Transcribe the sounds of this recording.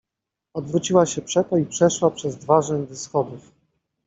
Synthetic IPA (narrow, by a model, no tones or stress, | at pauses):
ɔd̪vɾut͡ɕiwaɕɛpʂɛt̪ɔipʂɛʂwapʂɛzd̪vaʐɛɲd̪ɔsxɔd̪uf